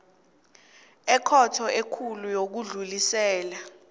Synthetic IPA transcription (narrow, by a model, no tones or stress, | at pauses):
ɛkʰɔtʰɔekʰulujok̬uɮulisɛːla